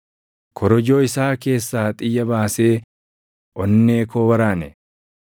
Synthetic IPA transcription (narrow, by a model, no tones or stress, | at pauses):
kʰɔɾɔd͡ʒo̞ːɪsaːke̞ːsːaːt̪ʼɪjːɐbaːseː | ʔɔnːeːko̞ːwɐɾaːnɛ